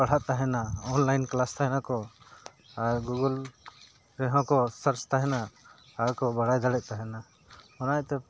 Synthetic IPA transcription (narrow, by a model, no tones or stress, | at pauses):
paɽ̤aʔt̪aɦɛnaɔnlajnklast̪aɦɛnakɔ | aɾɡuɡəl | ɾɛɦɔ̃kɔsəɾst̪aɦɛna | aɾkɔbaɽajd̪aɽɛc̚t̪aɦɛna | ɔnajt̪ɛ